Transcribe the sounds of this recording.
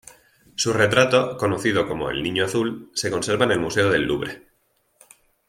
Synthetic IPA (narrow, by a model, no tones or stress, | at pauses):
sure̞t̪ɾat̪o̞ko̞noθiðo̞ko̞mo̞̰ḛlnĩɲoaθulse̞ko̞nse̞ɾβaene̞lmuse̞oðe̞lːuβɾe̞